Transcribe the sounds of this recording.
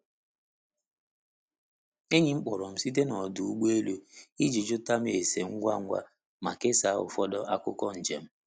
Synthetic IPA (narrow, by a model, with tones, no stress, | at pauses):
e˦ɲi˨ŋ͡m̩˦k͡pɔ˨ɾɔ˨m̩˨˦si˦t̬e˦nɔ˨du˨u˦ɡ͡be˦lu˦i˦d͡ʒi˨d͡ʒʊ˦ta˦m˦e˨se˨ŋ̩˦ɡʷa˦˨ŋ̩˦ɡʷa̰˦ | ma̰˨ke˦sa˨˦ʊ̰˨fɔ˦dɔ˦ʔa˦kʊ˦kɔ˦n̩˨d͡ʒḛ˨m̩˦